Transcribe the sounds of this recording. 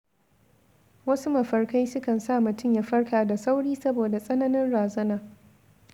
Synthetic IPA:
wɐ˦su˦mɐ˨ɸɐ˨rka˦jsʊ˦kɐ˨nsaː˦˨mʊ˨tʊ˦˨ja˦ɸɐ˦rkaː˨da˨sa˦wɽiː˦sɐ˦boː˨da˨sʼɐ˦nɐ˦nɪ˦nɽaː˨zɐ˦naː˨

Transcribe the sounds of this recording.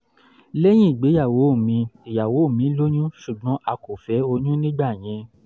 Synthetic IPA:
lɛ˦j̃ĩ˦i˦˨ɡ͡be˨˦ja˦˨wo˨˦˨mĩ˧e˨ja˨wo˨˦o˦˨mĩ˨˦lo˦ɲ̃ũ˦ʃu˨ɡ͡bɔ̃˨˦ʔa˧ko˨fɛ˨˦o˧ɲũ˦nĩ˦ɡ͡ba˦˨j̃ɛ̃˨˧

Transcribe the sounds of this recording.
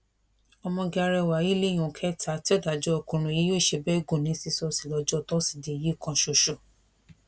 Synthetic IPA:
ɔ˧mɔ̃˧ɡa˧ɾɛ˧˨wa˨i˦le˦˨j̃ũ˨kʰɛ˦tʰa˨˦ti˦ɔ˦˨da˨d͡ʒɔ˦ɔ˧kũ˧ɾ̃ũ˧˨ji˦jo˦˨ʃe˧bɛ˦ɡũ˦˨nĩ˨˦si˦˧sɔ˧si˨lɔ˧d͡ʒɔ˦˨tɔ˦si̥˨de˧˨ji˦˨kã˧ʃo˧˨ʃo˨

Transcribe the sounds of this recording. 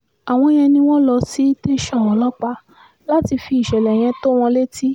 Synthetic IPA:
a˨w̃ɔ̃˧j̃ɛ̃˧nĩ˧w̃ɔ̃˦lɔ˧si˨˦te˧ʃɔ̃˦˨ɔ̃˨˦lɔ˦k͡pa˧ | la˦ti˧fi˧˦i˨ʃɛ˨lɛ˨j̃ɛ̃˧˦to˦w̃ɔ̃˧le˦ti˦

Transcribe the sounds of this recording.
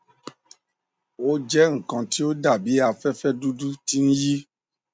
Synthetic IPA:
wo˦d͡ʒɛ˦ŋ̩˨kɔ̃˨ti˦wo˦da˦˨bi˨˦a˨fɛ˦fɛ˦du˦du˦ti˦ŋ̩̃˦ji˦

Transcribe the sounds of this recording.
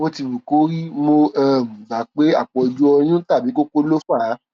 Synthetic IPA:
o˧ti˧bu˨ko˨˦ɾi˦mo˧ɛ˦˨mũ˨ɡ͡ba˨˦k͡pe˦a˦˨k͡pɔ˧i˧d͡ʒu˦ɔ˧j̃ũ˦ta˦˨bi˨˦ko˦ko˦lo˦fa˦˨˦

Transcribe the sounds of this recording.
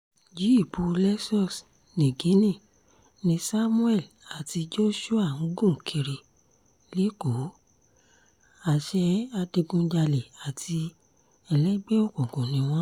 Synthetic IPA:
d͡ʒi˨˦i˦˨pu˨˦lɛ˦sɔ˦˨s | nẽ˨ɡi˨˦nĩ˦˨ | nĩ˧sa˦mũ˦ɛ˦˨l | a˨ti˧d͡ʒo˦ʃu˦a˦˨ŋ̩˨˦ɡũ˦˨kʰe˧ɾe˨ | li˦ko˨˦ | a˦˨ʃɛ˧a˧de˧ɡũ˧d͡ʒa˧le˨a˨tʰi˧ | ɛ˨lɛ˦ɡ͡be˦o˦˨kɔ̃˨kɔ̃˨nĩ˨˦w̃ɔ̃˦

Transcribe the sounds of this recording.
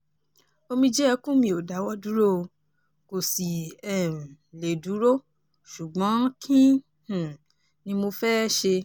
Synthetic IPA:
o˧mĩ˧d͡ʒɛ˦˧kũ˦mĩ˧o˨da˨˦wɔ˦du˦ɾo˦o˧ | ko˨si˨ɛ̃˦˨ | le˨du˨˦ɾo˦ | ʃu˨ɡ͡bɔ̃˨˦kʰĩ˦ | h̩˨ | nĩ˧mo˧fɛ˦ʃe˧

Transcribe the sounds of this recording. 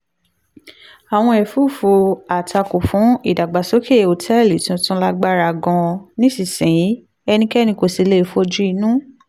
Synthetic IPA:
a˨w̃ɔ̃˧ɛ˨fu˦˨fo˧a˨tʰa˧ko˨fũ˨˦i˦˨da˨ɡ͡ba˨so˦kʰe˦˨o˨tʰɛ˦˨li˨tũ˧˦tũ˦la˦ɡ͡ba˦ɾa˧˨ɡɔ̃˧nĩ˦si˨sĩ˨jĩ˨˦ | ɛ˧nĩ˧kɛ˦nĩ˧ko˧˨si˧˦le˦˧fo˧d͡ʒu˦i˧nũ˦

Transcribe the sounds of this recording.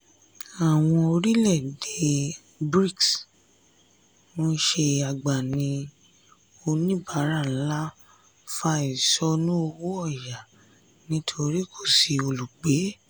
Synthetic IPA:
a˨w̃ɔ̃˧o˧ɾi˦lɛ˦˨de˨˧ | bɾi˦˨ks | mɔ̃˦˧˦ʃe˧a˨ɡ͡ba˨nĩ˧˦ | o˧nĩ˦ba˨˦ɾa˦˨n̩˦la˦ | fa˧i˨sɔ˦nũ˦o˧wo˦ɔ˦˨ja˨ | nĩ˦tʰo˧ɾi˦kʰo˦˨si˨o˧lu˨k͡pe˨˦

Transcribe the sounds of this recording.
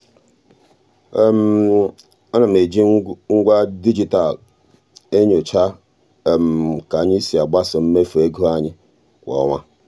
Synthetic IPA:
m̩˨ | ɔ˦na˨m̩˨e˨d͡ʒi˦ŋ̩˦ɡʷa˦di˦d͡ʒi˦ta˨l | e˦ɲo˨t͡ʃa˦˨ | m̩˨ka˨ɲi˦si˨a˨ɡ͡ba˦sʊ˨m̩˦me˦fe˦ɡo˦a˦ɲɪ˦ | kʷɔ̰˨˦ŋa˦

